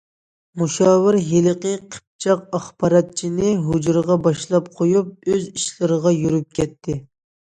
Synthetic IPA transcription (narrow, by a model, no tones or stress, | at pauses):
muʃɑːwɪɾɦelqəqʰə̥p̚t͡ʃʰɑq̚ɑχbɑɾɑt̪̚t͡ʃʰinɪɦud͡ʒɾʁɑbɑʃlˠɑp̚qʰojup̚øziʃlɨɾəʁɑjyɾyp̚kʲʰɛt̪ʰːɪ